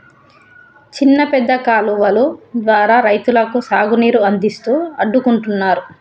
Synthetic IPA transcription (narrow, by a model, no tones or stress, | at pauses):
t͡ʃinːɐpɛd̪ːɐkaːluʋɐlud̪ʋaːɾaːɾɐjt̪ulɐkusaːɡuniːɾuɐnd̪ist̪uːɐɖːukuɳʈunːaːɾu